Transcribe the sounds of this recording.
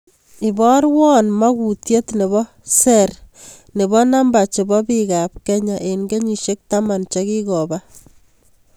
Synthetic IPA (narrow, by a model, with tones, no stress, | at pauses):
ɪ˨bɔ˦ɾwɔ˦nma˦ku˨tje˦tne˨βɔ˦ | se˦r | ne˨bɔ˦na˦mba˨t͡ʃe˨bɔ˦pika˨p̚kɛ˦ɲa˨ʔe˨nɡe˦ɲi˨ʃe˦k̚ta˦ma˨nt͡ʃe˦ki˦kɔ˨ba˦